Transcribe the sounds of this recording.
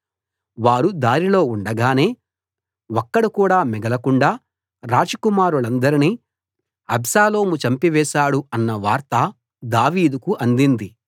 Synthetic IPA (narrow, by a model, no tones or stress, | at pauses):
ʋaːɾud̪aːɾilo̞ːuɳɖɐɡaːne̞ː | wɔkːɐɽukuːɽaːmɛɡɐlɐkuɳɖaː | ɾaːd͡ʒɐkumaːɾuɭɐnd̪ɐɾiniː | ɐbsaːlo̞ːmut͡ʃɐmpiʋɛːʃaːɽuɐnːɐʋaːɾt̪ɐ | d̪aːʋiːd̪ukuʔɐnd̪ind̪i